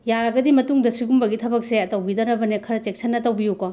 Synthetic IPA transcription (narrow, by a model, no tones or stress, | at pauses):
jaɾɐɡɐdimɐtuŋdɐsuɡumbɐɡitʰɐbɐk̚seɐtɐwbidɐnɐbɐnekʰɐɾɐt͡ʃeksɐnːɐtɐwbijuko